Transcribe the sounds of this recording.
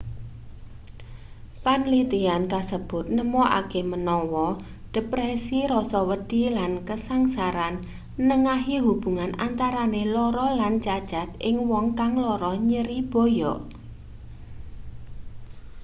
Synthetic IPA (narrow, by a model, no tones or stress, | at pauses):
panlit̪iankasəb̥ʊ̤t̪̚nəmɔʔa̰kemənɔwɔ | ɖ̥əpɾɛsiɾɔsɔwəd̥i̤lankəsaŋsaɾan | nəŋaɦiɦub̥ṳŋanʔant̪aɾanelɔɾɔlant͡ʃad̥ʒ̥a̤t̪̚ʔɪŋwɔŋkaŋlɔɾɔɲəɾib̥o̤jɔʔ